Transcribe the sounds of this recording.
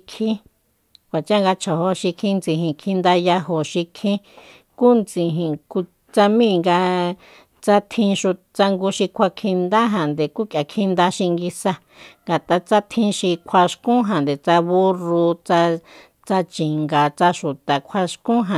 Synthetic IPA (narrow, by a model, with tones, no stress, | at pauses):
kʰĩ˦ | kʷa˨t͡ʃã˦ŋɡa˧t͡ʃʰa˨ho˧ʃi˧kʰĩ˧nd͡zĩ˧ɦĩ˨kʰĩ˧nd̪a˧ja˧ɦo˨ʃi˧kʰĩ˦ | ku˦nt͡sĩ˧ɦĩ˨ku˧ | t͡sa˧mĩ˦˨ŋɡa˧ | t͡sa˦t̪ʰĩ˧ʃu˧ | t͡sa˧ŋɡu˧˦ʃi˧kʷʰa˧kʰĩ˧nd̪a˦ɦã˨nd̪e˨ku˦kja˨kʰĩ˧nd̪a˧ʃi˧ŋɡi˧sa˧ | ŋɡa˨t̪a˧t͡sa˦t̪ʰĩ˧ʃi˧kʷʰa˧ʃkũ˦ɦã˨nd̪e˨t͡sa˧βu˦ru˧t͡sa˧ | t͡sa˧t͡ʃĩ˨ŋɡa˨t͡sa˧ʃu˨t̪a˨kʷʰa˧ʃkũ˦ɦã˨